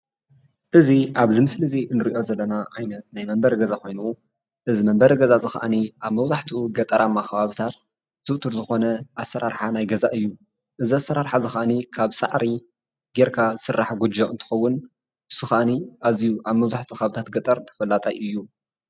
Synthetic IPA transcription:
ʔɨziʔaβzɨmɨslɨziʔɨnɨɾiʔo̞zɐlːɐnaʕajnɐt̪̚najmɐmbɐɾɡɐzaxo̞jnu | ʔɨzimɐmbɐɾɡɐzazɨxa̰ʔaniʔaβmɐβzaħt̪ʰuɡɐt̪ʼɐɾʔamːaxɐβaβɨt̪ʰat̪̚ | z̥ɨʔt̪ʰuɾzɨxo̞nɐasːɐɾaɾħanajɡɐzaʔɨjːu | ʔɨziasːɐɾaɾħazɨxaʔanikʰaβsa̰ʕɾi | ɡeɾkʰazɨsɨrːaħɡud͡ʒoʔɨnt̪ʰɨ̥xɐwːʊn | ɨsɨxaʔniʔazijuʔaβmɐβzaħt̪ʰuxaβɨt̪ʰat̪ɡɐt̪ʼɐɾt̪ʰɐ̥fɐlːat̪ʼa̰jʔɨjːu

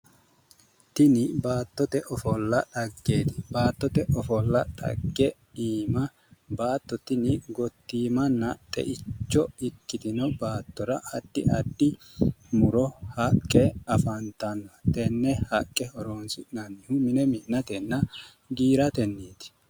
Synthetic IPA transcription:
t̪ɪnɪbaːt̪ːɔt̪ɛʔɔfɔlːɐᶑɐɡːe̞ːt̪ɪ̥baːt̪ːɔt̪ɛʔɔfɔlːɐᶑɐ̰ɡːɛ | iːmɐ | baːt̪ːɔt̪ɪnɪɡɔt̪ːiːmɐnːɐt̪ʼɛ̰ʔɪt͡ʃːɔɪkːɪd̪ɪnɔbaːt̪ːɔɾɐʔɐd̪̥ːɪ̰ʔɐd̪ːɪ | mʊɾɔhɐkʼːɛɐfɐnt̪ɐnːɐt̪ɛnːɛhɐkʼːɛɔɾoːnsɪnɐnːɪhʊmɪnɛmɪʔnɐt̪ɛnːɐ | ɡiːɾɐt̪ɛnːeːt̪ɪ̥

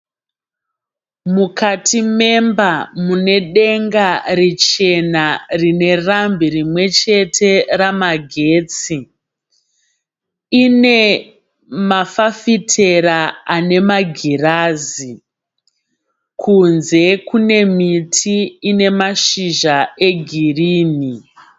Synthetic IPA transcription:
mukatʰime̞mbamune̞ɗe̞ŋɡarit͡ʃe̞narine̞rambirimwe̞t͡ʃe̞tʰe̞ramaɡʱe̞ːt͡si | ine̞ | mafafitʰe̞ɾaane̞maɡʱiraːzi | kʰunze̞kune̞mitʰiːne̞maʃiʒae̞ɡʱiriːni

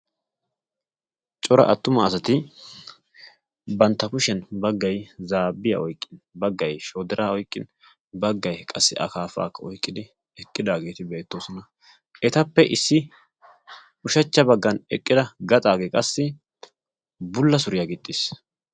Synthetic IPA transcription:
t͡ʃʼɔɾɐ̰ʔɐt̪ːʊmɐːsɐt̪ɪ | bɐnt̪ːɐkʊʃɛnbɐɡːɐjzaːbːɪjɐ̰ʔɔjkʼːɪnbɐɡːɐjʃoːd̪ɪɾʔaːɔjkʼːɪn | bɐɡːɐjkʼɐsːɪʔɐ̰kaːfa̰ːkːɐɔjkʼːɪd̪ɪ | ɛkʼːɪd̪aːɡeːt̪ɪbe̞ːt̪ːo̞ːsɔnɐ | ʔɛt̪ɐpːɛʔɪsːɪ | ʊʃɐt͡ʃːɐbɐɡːɐnɛkʼːɪd̪ɐɡɐt̪ʼaːɡeːkʼɐsːɪ | bʊlːɐsʊɾɪjaɡɪt̪ʼːɪs

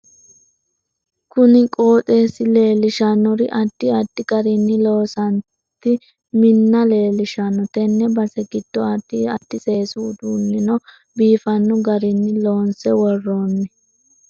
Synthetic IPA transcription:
kʊnɪkʼo̞ːt̪ʼe̞ːsɪle̞ːlɪʃɐnːɔɾɪʔɐd̪̥ːɪɐd̪ːɪɡɐɾɪnːɪlo̞ːsɐn | t̪ːɪ | mɪnːɐle̞ːlɪʃɐnːɔt̪ɛnːɛbɐsɛɡɪd̪̥ːɔɐd̪̥ːɪɐd̪̥ːɪsʼe̞ːsuːd̪uːnːɪnɔ | biːfɐnːʊɡɐɾɪnːɪlo̞ːnsɛwɔrːo̞ːnːɪ

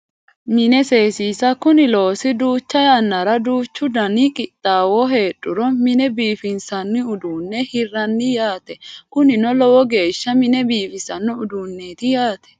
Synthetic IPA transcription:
mɪnɛse̞ːsiːsɐkʊnɪlo̞ːsɪd̪uːt͡ʃːɐjanːɐɾɐd̪uːt͡ʃːʊd̪ɐnɪkʼɪt̪ʼːaːwɔɦe̞ːɗʼːʊɾɔmɪnɛbiːfɪnsɐnːɪʊd̪uːnːɛhɪrːɐnːɪjaːt̪ɛkʊnɪnɔlɔwɔɡe̞ːʃːɐmɪnɛbiːfɪsɐnːɔʊd̪uːnːeːt̪ɪjaːt̪ɛ̥

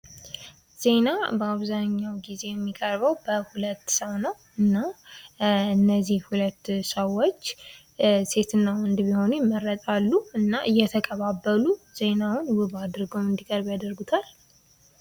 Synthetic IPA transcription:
z̥e̞nabəaβzaɲːawɡize̞jɛmːikʼəɾbəwbəhulət̪ːsəwnəw | ɨnːa | ɨnːəzihhulət̪ːsəwːo̞t͡ʃː | se̞t̪ʰɨnːawɔnd̪biho̞nujɛmːəɾːət̪ʼalːuɨnːaʔɨjːɛt̪ʰəkʼəβabːəluze̞nawʊnwɨβad̪ɾɨɡomɨnd̪ikʼəɾbjad̪əɾɡut̪ʰal

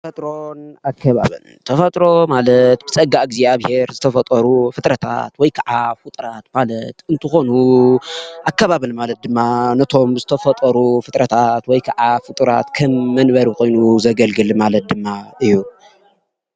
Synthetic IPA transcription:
t̪ɐfɐt̪ʼɾonakʰːɐβa̰βɨ̰lt̪ʰɐfɐt̪ʼɾo̞malɐt̪bɨt͡sʼɐɡaɡziaβhe̞ɾzɨt̪ʰɐfɐt̪ʼɐɾufɨt̪ʼɾɐt̪ʰa̰t̪wɔjkʰaʕafɨt̪ʼɾat̪malɐt̪ɨnt̪ʰɨxo̞nu | ʔakːaβaβɨlmalɐt̪̚d̪ɨmːanɐt̪ʰo̞mzɨt̪ʰɐfɐt̪ʼɐɾufɨt̪ʼɾɐt̪ʰat̪wɔjkʰaʕafɨt̪ʼɾa̰t̪kʰɐmːɐnbɐɾikʰo̞jnuzɐɡɐlɡɨlmalɐt̪̚d̪ɨmːaɨjːu

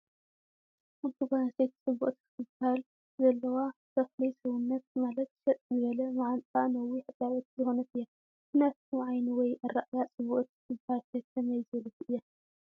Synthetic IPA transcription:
mut̪ʰuɡanaset̪t͡sʼɨβṵʔʼt̪kʰɨ̥t̪ʰɨbahal | zɐlːɐwat̪ʰɐxlijsɐwunːɐt̪̚malɐt̪ʃɐt̪ʼzɨβɐlɐmaʕant̪ʼanɐwiħɨd̪ʼawot̪zɨxonɐt̪ɨjːa | ʔɨnat̪uʕajniwɔjʔɐɾaʔjat͡sʼɨβuʔʼt̪̚kɨ̥t̪ʰɨbahalt̪ʰɐk̪ʰɐmɐjzɨɐlɐt̪ʔɨjːa

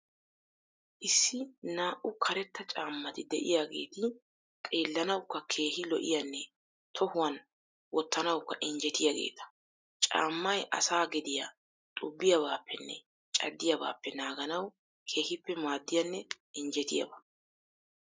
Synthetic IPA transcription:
ʔɪsːɪnaːʔʊkʰɐɾɛt̪ːɐt͡ʃʼaːmːɐt̪ɪd̪ɛ̰ʔɪjaːɡe̞̰ːt̪ɪ | kʼe̞ːlːɐnɐwkːɐkʰe̞ːhɪlɔʔɪ̰jɐnːɛ | t̪ʰɔhʊwɐn | wɔt̪ːɐnɐwkːɐʔɪnd͡ʒɛt̪ɪjaɡe̞̰ːt̪ɐ̥ | t͡ʃʼa̰ːmːɐjʔɐ̰saːɡɛd̪ɪja | t̪ʼʊbːɪjɐbaːpʰːɛnːɛ̰ | t͡ʃʼɐ̰d̪ːɪjɐba̰ːpːɛnaːɡɐnɐw | kʰe̞ːhɪpːɛmaːd̪ːɪjɐnːɛ | ɪnd͡ʒɛt̪ɪjɐ̰bɐ

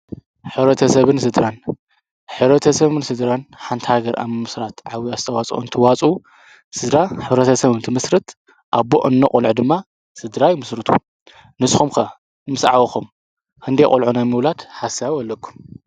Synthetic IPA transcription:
ħɨβɾɐt̪ʰɐsɐβɨnsɨd̪ɾan | ħɨβɾɐt̪ʰɐsɐβɨnsɨd̪ɾanħant̪ʰhaɡɐɾa̰ɨmɨsɾat̪ʕawiazt̪ʰɐwat͡sʼʔṵnt̪ʰɨwat͡sʼu | sɨd̪ɾaħɨβɾɐt̪ʰɐsɐβɨnt̪ʰɨmɨsɾɨt̪ | ʔaβbo̰ʔɨnːɐkʼulʕud̪ɨmːa | sɨd̪ɾajmɨsɾɨt̪ʰṵ | nɨsxumkʰɐ | mɨsʕawɐxum | kʰɨnd̪ejkʼulʕunajmɨβlat̪ħasawɔlːɐkʰːu̥m

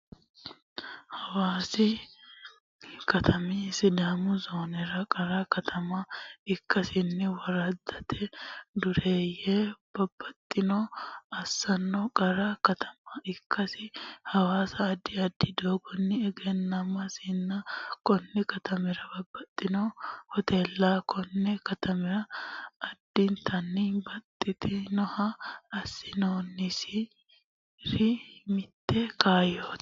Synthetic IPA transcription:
hɐwaːsɪ | kɐt̪ʰɐmɛsɪd̪aːmʊzoːnɛɾɐkʼɐɾɐkɐt̪ʰɐmɐɪkːɐsɪnːɪwɐɾɐd̪ːɐt̪ʰɛd̪ʊɾeːjɛb̥ɐbːɐt̪ʼːɪnɔɐsːɐnːɔkʼɐɾɐkɐt̪ʰɐ̥mɐɪkːɐsɪhɐwaːsɐːd̪ːɪɐd̪ːɪd̪oːɡɔnːɪɛɡɛnːɐmɐsɪnːɐkɔnːɛkɐt̪ɐmɛɾɐbɐbːɐt̪ʼːɪnohɔt̪eːlːakʰɔnːɛkɐt̪ʰɐmɛɾɐː | d̪̥ːɪnt̪ʰɐnːɪbɐt̪ʼːɪt̪ɪnɔhɐːsːɪnoːnːɪsɪ | ɾɪmɪt̪ːɛkaːjoːt̪

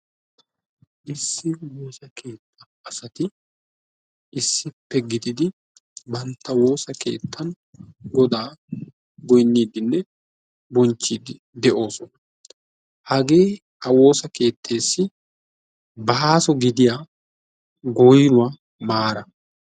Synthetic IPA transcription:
ʔɪsːɪwoːsɐke̞ːt̪ʰːɐ | ɐsɐt̪ɪ | ʔɪsːɪpːɛɡɪd̪ɪd̪ɪ | bɐnt̪ːɐwo̞ːsɐke̞̰ːt̪ːɐn | ɡɔd̪aː | ɡɔjnːiːd̪ɪnːɛ | bɔnt͡ʃːiːd̪ɪ | d̪ɛʔo̞ːsɔnɐ | hɐɡe̞ː | hɐwo̞ːsɐke̞ːt̪ʰːe̞ːsːɪ | bɐaːsɔɡɪd̪ɪja | ɡɔjnʊwaː | maːɾɐ

